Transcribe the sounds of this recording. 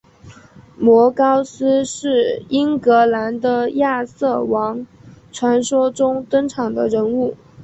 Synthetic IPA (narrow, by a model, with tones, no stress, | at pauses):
mwɔ˧˥kɑ˥ʊsɹ̩˥ʂɻ̩˥˩i˥ŋkɤ˧˥la˧˥nd̪ə˧ja˥˧sɤ˥˩wɑ˧˥ŋ | ʈ͡ʂʰwa˧˥nʂwɔ˥ʈ͡ʂʊ˥ŋt̪ə˥ŋʈ͡ʂʰɑ˨˩ŋd̪ə̰˦ɻə˧˥nu˥˩